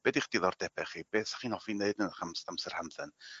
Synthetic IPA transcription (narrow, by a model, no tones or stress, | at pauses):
b̥ɛdiχd̥iðˠɔrd̥̪ɛbɛχib̥ɛːsḁχinɔfinejdənχamsamsɛrhamðən